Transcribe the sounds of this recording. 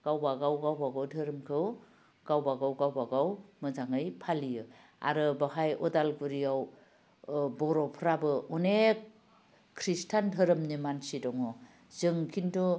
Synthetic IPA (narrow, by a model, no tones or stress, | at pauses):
ɡ̥awbaɡawɡawbaɡawdʱɯɾɯmkʰɯw | ɡ̥awbaɡawɡawbaɡawmɯzaŋɯjpʰalijɯ | a̰ɾɯbaɦajɔdalɡuɾiaw | bɔɾɔpʰɾabɯunek | kʰɾistʰandʱɯɾɯmnimansidɔŋɯ | zɯŋkʰintɔ